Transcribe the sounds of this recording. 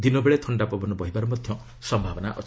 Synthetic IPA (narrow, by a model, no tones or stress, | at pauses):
d̪inobeɭet̪ʰɔɳɖapɔbɔnɔbɔɦibaɾumɔd̪ʱjɔ | sɔmbʱabɔnaʔɔ